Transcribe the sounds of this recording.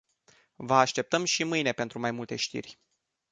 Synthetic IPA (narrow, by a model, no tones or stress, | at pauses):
vəaʃt̪e̞p̚t̪əmʃimɨjne̞pe̞nt̪ɾumajmult̪e̞ʃt̪ḭrʲ